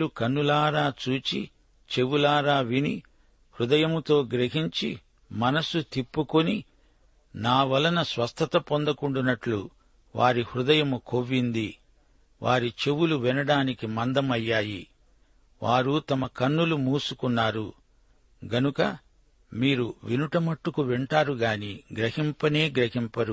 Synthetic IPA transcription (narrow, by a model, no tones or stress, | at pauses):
ukɐnːulaːɾaːt͡ʃuːt͡ʃḭ | t͡ʃe̞ʋulaːɾaːʋini | hɾud̪ɐjɐmt̪o̞ːɡɾeɦiɲt͡ʃi | mɐnɐsut̪ipːukoni | naːʋɐlːɐnɐsʋɐst̪ʰɐt̪ɐpond̪ɐkuɳɖunːɐʈlu | ʋaːɾihɾud̪ɐjɐmuko̞ʋːind̪i | ʋʔaːɾit͡ʃe̞wuluʋɛnɐɽaːnikimɐnd̪ɐmɐjːaːji | ʋaːɾut̪ɐmɐkɐnːulumuːsukunːaːɾu | ɡɐnukɐ | miːɾuʋinuʈɐmɐʈːukuʋɛɳʈaːɾuɡaːniɡɾɐhimpɐne̞ːɡɾɐɦimpɐɾu